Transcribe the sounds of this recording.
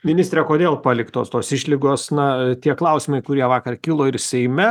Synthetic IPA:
mʲɪnʲɪst̪ʲɾʲekoːd̪ʲeːlˠpɑːlʲɪkt̪oːst̪oːsɪʃʲlʲɪɡoːsnɐt̪ʲiɛklˠɐʊsʲɪmɐɪkʊɾʲiɛʋɑːkɐrkʲɪlˠoːɪɾsʲɛɪmʲɛ

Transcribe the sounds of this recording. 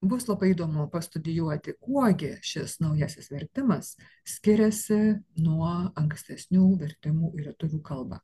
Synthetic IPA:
bʊslˠɐbɐɪid̪oːmʊpɐst̪ʊd̪ʲɪjuɔt̪ʲɪkuɔɡʲɪʃʲɪsnɐʊjæsʲɪsʋʲɛɾʲt̪ʲɪmɐs | sʲkʲɪɾʲɛsʲɪnuɔɐŋksʲt̪ʲɛsʲnʲuːʋʲɛɾʲt̪ʲɪmuːɪɾʲɛt̪ʊʋʲuːkɐlˠbɑ̰ː

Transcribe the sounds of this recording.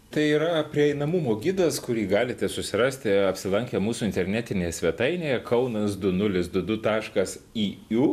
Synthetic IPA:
t̪ɐɪiːɾɐpʲɾʲiɛɛɪnɐmumoːɡʲid̪ɐskʊɾʲiːɡɑːlʲɪt̪ʲɛsʊsʲɪɾɑːsʲt̪ʲɪɐpʲsʲɪlˠɐŋʲkʲɛmuːsuɪnt̪ʲɛɾʲnʲæːt̪ʲɪnʲeːjɛsʲʋʲɛt̪ɐɪnʲeːjɛkʰɐʊnɐsd̪ʊnʊlʲɪsd̪ʊd̪ʊt̪ɑːʃkɐsiːuː

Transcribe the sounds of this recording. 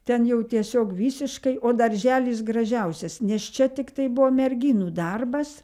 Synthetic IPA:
t̪ʲɛnjɛʊt̪ʲiɛsʲoːkʋʲiːsʲɪʃkɐɪʔoːd̪ɐɾʲʒʲæːlʲiːsɡrɐʒʲɛʊsʲɛsnʲɛst͡ʃʲɛt̪ʲɪkt̪ɐɪbʊʋoːmʲɛɾʲɡʲiːnuːd̪ɐrbɐs

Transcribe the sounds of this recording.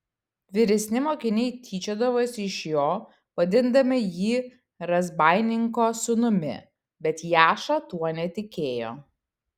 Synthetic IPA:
ʋʲɪɾʲɛsʲnʲɪmoːkʲɪnʲɛɪt̪ʲʰiːt͡ʃʲod̪ɐʋosʲɪʃjoː | ʋɐd̪ʲɪnd̪ɐmʲɪjiː | ɾɐzbɑˑɪnʲɪŋkoːsʊnʊmʲɪ̰ | bʲɛt̪jæːʃɐt̪uɔnʲɛt̪ʲɪkʲeːjo̰ː

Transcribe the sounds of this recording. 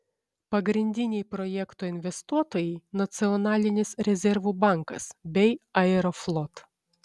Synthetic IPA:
pɐɡɾʲɪnʲd̪ʲɪnʲɛɪpɾɔjɛkt̪oːɪnʲʋʲɛst̪uɔt̪oːjɛɪnɐt̪sʲɪɔnɑːlʲɪnʲɪsɾʲɛzʲɛɾʋuːbɑˑŋkɐ̰sbʲɛɪɐɛɾoflˠɔt̪

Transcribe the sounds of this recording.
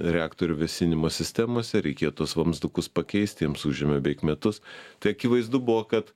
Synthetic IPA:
ɾʲɛaːkt̪oːɾʲʊʋʲɛsʲɪnʲɪmoːsʲɪsʲt̪ʲæmoːsʲɛɾʲɛɪkʲeːjot̪uɔsʋɐmzd̪ʊkʊspɐkʲɛɪst̪ʲiɛmsuːʒʲɛmʲɛbʲɛɪkmʲɛt̪ʊst̪ɐɪɐkʲɪʋɐɪzd̪ʊbʊʋoːkɐt̪

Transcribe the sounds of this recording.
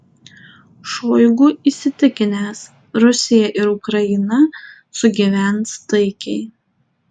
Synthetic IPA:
ʃoːjɡuːiːsʲɪt̪ʲɪkʲɪnʲeːs | ɾʊsʲɪjɛʔɪɾʊkɾɐɪnɐ | sʊɡʲiʋʲænst̪ɐɪkʲɛɪ

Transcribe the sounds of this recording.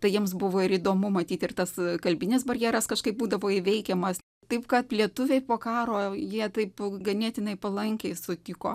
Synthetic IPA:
t̪ɐɪjiɛmsbʊʋoːɪɾid̪oːmʊmɐt̪ʲiːt̪ɪrt̪ɐskɐlʲbʲɪnʲɪs̬bɐɾʲjæːɾɐskɐʃkɐɪp̚buːd̪ɐʋoːɪʋʲɛɪkʲɛmɐs | t̪ɐɪpkɐt̪lʲiɛt̪ʊʋʲɛɪpoːkɑːɾoːjiɛt̪ɐɪpɡɐnʲiɛt̪ʲɪnɐɪpɐlˠɐŋʲkʲɛɪsʊt̪ʲɪko̰ː

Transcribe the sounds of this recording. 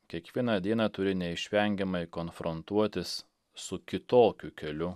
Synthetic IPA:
kʲiɛkʋʲiɛnɑd̪ʲiɛnɑt̪ʊɾʲɪnʲɛɪʃʲʋʲɛŋʲɡʲɛmɐɪkɔnfɾɔnt̪uɔt̪ʲɪsː | ʊkʲɪt̪oːkʲʊkʲɛlʲʊ

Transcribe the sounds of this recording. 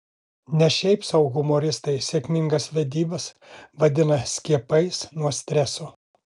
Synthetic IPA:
nʲɛʃʲɛɪpsɐʊɣʊmoːɾʲɪst̪ɐɪsʲɛkʲmʲɪŋɡɐsʋʲɛd̪ʲiːbɐs | ʋɐd̪ʲɪnɐsʲkʲiɛpɐɪsnuɔsʲt̪ʲɾʲɛsoː

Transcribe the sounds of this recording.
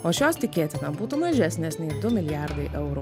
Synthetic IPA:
oːʃʲoːst̪ʲɪkʲeːt̪ʲɪnɐbuːt̪uːmɐʒʲæsʲnʲeːsnʲɛɪd̪ʊmʲɪlʲjæɾd̪ɐɪʔɛʊɾuː

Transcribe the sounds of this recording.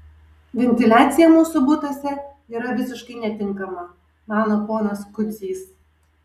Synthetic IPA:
ʋʲɛnʲt̪ʲɪlʲæːt̪sʲɪjɛmuːsʊbʊt̪osʲɛ | iːɾɐʋʲɪsʲɪʃkɐɪnʲɛt̪ʲɪŋˑkɐmɐ | mɑːnopoːnɐskʊd̪zʲiːs

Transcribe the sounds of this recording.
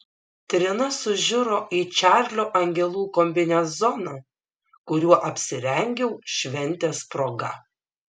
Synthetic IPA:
t̪ʲɾʲɪnɐsʊʒʲʊɾoːʔiːt͡ʃʲæːɾʲlʲoːʔɐŋʲɡʲɛlˠuːkɔmʲbʲɪnʲɛszɔnɐː | kʊɾʲuɔʔɐpʲsʲɪɾʲɛŋʲɡʲɛʊʃʲʋʲɛnʲt̪ʲeːspɾoːɡɐ

